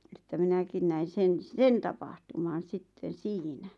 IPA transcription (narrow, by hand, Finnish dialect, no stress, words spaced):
etːæ minækin næin̞ sen sen tɑpɑhtumɑn̞ sitːen̞ siːnæ